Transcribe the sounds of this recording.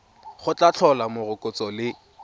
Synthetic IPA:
χʊt͡ɬat͡ɬʰɔlamʊrʊkʼʊt͡sɔlɪ

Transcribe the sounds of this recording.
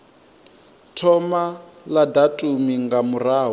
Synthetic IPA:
tʰɔma | ladatʼumiŋɡamuraːɦ

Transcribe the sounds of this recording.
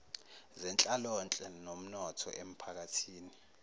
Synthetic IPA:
zɛnt͡ɬʼalɔnt͡ɬʼɛnom̩nɔtʰɔ̰ʔem̩pʰak̬atʰiːni

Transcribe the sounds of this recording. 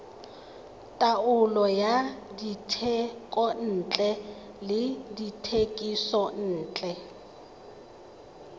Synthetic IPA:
tʼaʊlɔjaditʰɛkʼɔn̩ːt͡ɬʼɛ | lɪditʰekʼisɔn̩ːt͡ɬʼɛ

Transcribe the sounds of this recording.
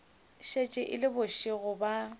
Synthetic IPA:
ʃet͡ʃʼɪʔɪlɪbʊʃɪɣʊba

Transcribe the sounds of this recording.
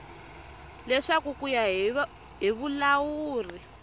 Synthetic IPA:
lɛʂakukujaɦ | ɦiβulawuːri

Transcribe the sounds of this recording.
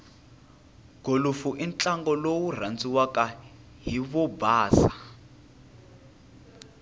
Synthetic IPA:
ɡ̥ʱolufuʔint͡ɬʼaŋɡɔlowur̤and͡zʼiwaka | ɦiβɔbaːsa

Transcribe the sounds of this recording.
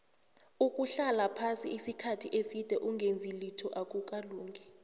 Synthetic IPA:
ukʼuɬalapʰasiʔisikʰatʰiʔesid̥ʱɛʔuŋɡʱend͡zʱilitʰɔʔak̬ʼuk̬ʼaluːŋʱɛ

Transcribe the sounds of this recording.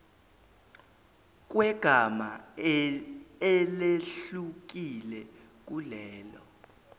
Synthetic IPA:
k̬ʼwɛɡ̥ʱama | ɛleɬuk̬ilɛ | k̬ʼulɛːlɔ

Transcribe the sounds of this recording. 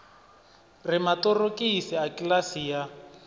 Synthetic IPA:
rɪmatɔrokisiakʼilasija

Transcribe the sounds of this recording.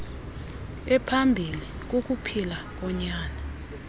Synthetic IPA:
ɛpʰambʱili | k̬ok̬ʼupʰilak̬ɔɲaːna

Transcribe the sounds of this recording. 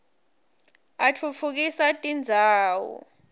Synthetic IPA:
at͡fʰut͡fʰuk̬isatʼind͡zʱaːwɔ̰

